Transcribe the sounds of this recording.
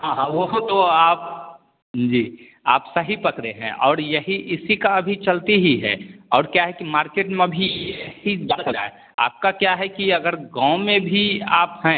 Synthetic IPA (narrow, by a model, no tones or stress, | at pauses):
ɦãɦãʋot̪oaːp | d͡ʒiː | a̰ːpsɐɦipɐkɾeɦɛ̰̃ʔɔːɾjɐɦiʔɪsikaɐbʱit͡ʃɐlt̪iɦiɦɛ̰ɔːɾkjaɦɛkimaːɾkeːʈmẽbʱijɐɦibəkɾa̰e | a̰ːp̚kakjaɦɛkiɐɡəɾɡãːmẽbʱiaːphɛ̃